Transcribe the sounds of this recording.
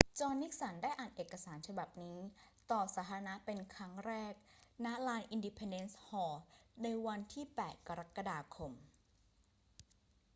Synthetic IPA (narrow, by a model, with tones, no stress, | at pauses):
t͡ɕɔː˧nːi˦˥k̚sa˩˦ndaː˥˩jʔaː˨˩nʔeː˨˩kːa˧saː˩˦nt͡ɕʰa˧ba˨˩p̚niː˦˥t̪ɔː˨˩saː˩˦t̪ʰa˧na˦˥pe˧nkʰɾa˦˥ŋɾɛː˥˩k̚na˦˥laː˧nʔi˧ndi˧pʰe˧nde˦˥nshɔː˩˦na˧jwa˧nt̪ʰiː˥˩pɛː˨˩t̪̚ka˧ɾa˦˥kːa˧daː˧kʰo˧m